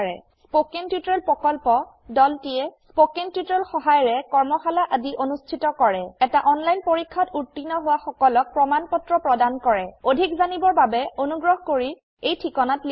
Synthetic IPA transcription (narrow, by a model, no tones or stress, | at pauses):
ɹɛ̰ | spokeŋtutɔɹɛlpɹɔkɔlpɔ | dɔltijɛspokeŋtjutɹɛlxɔɦajɹɛkɔɹmɔxalaʔadiʔonustʰitɔkɔɹɛɛtaʔɔnlajnpoɹikʰːatuɹtːinɔɦʊwaxɔkɔlɔk̚pɹɔmanpɔtɹɔpɹɔdankɔɹɛodʱikzanibɔɹbabɛonuɡɹɔɦkoɹi | ejtʰikɔnatl